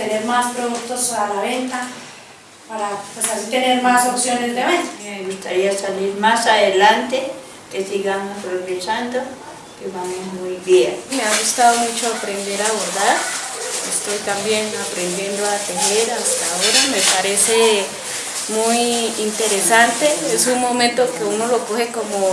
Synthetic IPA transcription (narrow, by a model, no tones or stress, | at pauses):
t̪eneɾmaspɾoðuk̚t̪o̞salaβe̞nt̪a | paɾapwesalt̪ene̞ɾmasopsjo̞nezd̪eβent̪ḁmeɣust̪aɾiasaliɾmasaðe̞lant̪e̞ | ke̞siɣamapɾo̞βet͡ʃand̪o̞ | keβamomujbjenme̞aɣust̪aðomut͡ʃo̞apɾe̞nd̪e̞ɾaβeɾðaɾest̪o̞jt̪ambjenapɾend̪je̞nd̪oat̪eneɾast̪ao̞ɾame̞paɾe̞se̞ | mujint̪e̞ɾesant̪eesunmo̞mẽnt̪oke̞uno̞lo̞kohe̞ko̞mo